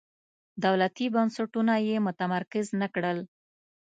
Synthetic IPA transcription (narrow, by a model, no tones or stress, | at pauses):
d̪awlat̪ibansaʈunajemʊt̪amaɾkɪznakɽəl